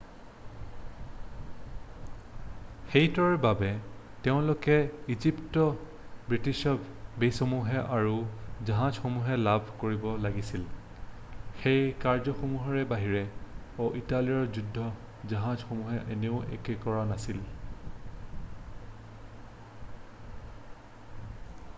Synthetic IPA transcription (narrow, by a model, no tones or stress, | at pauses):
xejtɔɹbabɛ | teʊ̃lʊkɛiziptɔ | bɹitiʃɔb | bejsomuɦɛʔaɹuzaɦãzxomuɦɛlabʱkoɹibɔlaɡisil | xejkaɹzɔxomuɦɔɹɛbaɦiɹɛ | oʔitaliɔɹzudʱːɔ | zaɦãzxomuɦɛʔeneʊʔḛkɛkɔɹanasil